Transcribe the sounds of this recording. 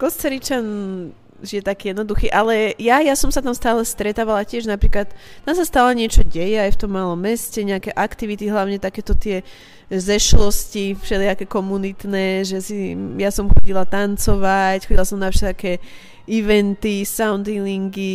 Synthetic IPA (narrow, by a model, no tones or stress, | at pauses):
kɔst͡sɛɾit͡ʃan | ʒijɛt̪akiːjɛd̪nɔd̪uxiːʔalɛjajasɔmsat̪amst̪aːlɛst̪ɾɛt̪aːʋalacɪɛʒnapɾiːklat̪ːamsast̪aːlɛɲɪɛt͡ʃɔɟɛjɛajft̪ɔmːalɔmːɛscɛɲɛakɛʔakt̪iʋit̪iɦlaʊɲɛt̪akɛːt̪ɔt̪ɪɛ | zɛʃlɔscifʃɛliakɛkɔmunit̪nɛːʒɛsijasɔmxɔɟilat̪ant͡sɔʋacxɔɟilasɔmnafʃɛlakɛː | iʋɛnt̪isaʊnd̪iliŋɡi